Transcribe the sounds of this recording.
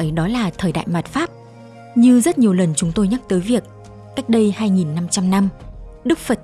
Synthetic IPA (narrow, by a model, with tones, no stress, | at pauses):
jɗɔ˨˦laː˨˩t̪ʰəː˨˩jɗa̰ː˧˨jma˨˩t̚faː˦˥p̚ | ɲɨ˧zə˦˥t̚ɲi˨˩əwlə˨˩nt͡ɕʊ˨˦ŋ͡mt̪o˧jɲa˦˥k̚t̪əː˨˦jvi˨˩ək̚ | ka˦˥jk̟̚ɗə˧jhaː˧jŋi˨˩nːa˧mt͡ɕa˧mna˧mɗɨ˦˥k̚fə˨˩t̚